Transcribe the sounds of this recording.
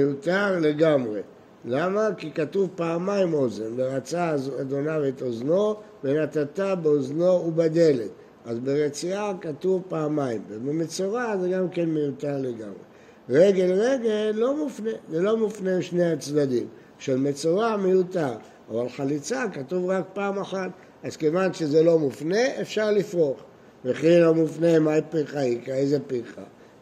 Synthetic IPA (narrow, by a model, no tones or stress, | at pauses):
ejut̪aʁle̞ɡamʁe̞̰ | lamakikatuvpaːmaimozenbeʁat͡sazad̪o̞navet̪ozno̞ | benat̪at̪abeozno̞ubad̪ele̞t̪ | azbeʁet͡siakatuvpaːmaimbebemet͡soʁazeɡamke̞nmejut̪aʁle̞ɡa̰mʁḛ | ʁe̞ɡe̞lʁeɡelːo̞mufne̞zelo̞mufneʃneat͡sd̪ad̪im | ʃelmet͡soʁamejutaʁ | avalχalit͡sakatuvʁak̚paːmaħat̪̚ | azkevanʃezelo̞mufne̞ʔefʃaʁlifʁo̞χ | meχilomufnemajpiχaikaezepiχa̰